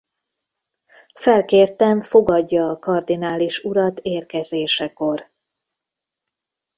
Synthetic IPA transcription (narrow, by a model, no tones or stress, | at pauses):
fɛlkeːrt̪ɛɱfo̞ɡɒɟːɒːkɒrd̪inaːliʃuɾɒt̪eːrkɛzeːʃɛko̞r